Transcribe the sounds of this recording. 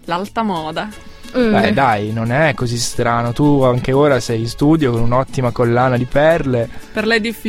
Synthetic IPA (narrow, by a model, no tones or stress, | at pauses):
lalt̪amɔːd̪a | bɛd̪ajnonɛkːozist̪ɾaːnot̪uaŋk̟eoːɾasɛjinst̪uːd̪jokonunɔt̪ːimakolːaːnad̪ipɛrleperled̪ːifi